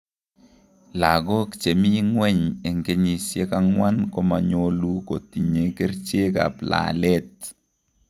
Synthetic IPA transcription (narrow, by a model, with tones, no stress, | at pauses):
la˨ɡɔ˦kt͡ʃe˨mi˦ŋwɛ˦ɲe˨ŋɡe˦ɲi˨sje˦ka˦ŋwa˦nkɔ˦ma˨ɲo˦lu˦ko˨t̪i˨ɲe˨ke˦ɾt͡ʃe˦ka̰˨pla̰˨lɛ˦t